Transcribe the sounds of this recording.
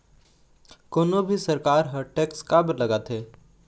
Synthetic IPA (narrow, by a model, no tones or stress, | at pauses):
koːnobʱisɐɾkaːɾɦəʈɛːkskaːbəɾlɐɡat̪ʰɦeː